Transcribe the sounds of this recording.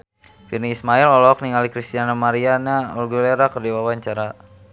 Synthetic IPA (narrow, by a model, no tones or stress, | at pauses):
firniːsmailɔlɔk̚niŋalikɾist̪ianamaɾianaɔlɡuleɾakərdiwawaɲt͡ʃaɾa